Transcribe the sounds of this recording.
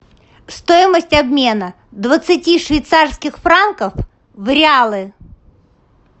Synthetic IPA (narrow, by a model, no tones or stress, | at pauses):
st̪ojɪməsʲtʲɐbmʲe̞nə | d̪vət̪sɨtʲiʂvʲɪjt̪sarskʲɪxfɾankəf | vɾʲɪalˠɨ